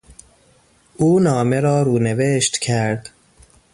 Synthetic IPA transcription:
ʔuːnɒːmeɾɒːɾuːneveʃt̪cʰæɾd̪

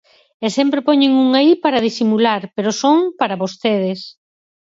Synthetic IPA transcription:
esɛmpɾepoɲeŋuŋaipaɾaðisimulaɾpeɾosoŋpaɾaβost̪eðɪs

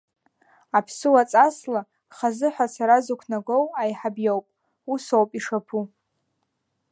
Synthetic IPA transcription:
apʰsɨwat͡sʼasla | χazɨħʷasʰaɾazukʷʰnaɡʷowajħabjowpʼ | usowpʼiʂapʰu

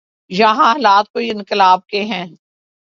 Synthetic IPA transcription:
jɐɦãɐlaːt̪̚koːiɪ̃nkɪlaːb̚keɦɛ̃ː

